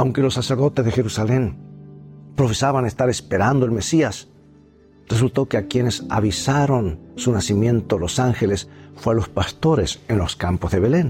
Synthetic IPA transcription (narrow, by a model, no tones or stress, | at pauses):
awŋke̞lo̞sːaseɾðo̞t̪e̞zðexe̞ɾusale̞n | pɾofe̞saβanest̪aɾe̞spe̞ɾand̪oe̞lme̞sias | res̬ult̪o̞keakje̞ne̞sa̰βisaɾo̞nsunasimjẽ̞nt̪olo̞saŋxe̞lesfwealo̞spast̪o̞ɾesenlo̞skampozðe̞βe̞le̞n